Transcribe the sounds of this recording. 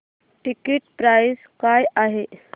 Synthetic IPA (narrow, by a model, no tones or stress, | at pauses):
ʈikiʈpɾajs | kajaɦe